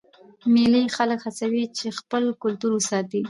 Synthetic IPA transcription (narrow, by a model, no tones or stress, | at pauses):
milixaləkhasawit͡ʃexpəlkʊlt̪uɾwəsɑt̪i